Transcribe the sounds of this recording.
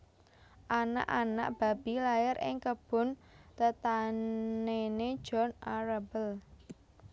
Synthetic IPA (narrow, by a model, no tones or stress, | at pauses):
ʔana̰ʔana̰ʔb̥a̤b̥i̤laɪɾɪ̰ŋkəb̥ʊ̤nt̪ət̪a | ened̥ʒ̥ɔnaɾabəl